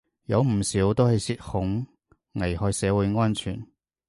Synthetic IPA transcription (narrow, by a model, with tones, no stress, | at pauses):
jɐ˨˧wm̩˨˩siː˨˥wt̪o˥whɐ˨jsiː˧t̚hʊ˨˥ŋ | ŋɐ˨˩jhɔː˨˧jsɛː˨˥wuː˨˧jŋɔː˥nt͡ʃʰy̰ː˨˩n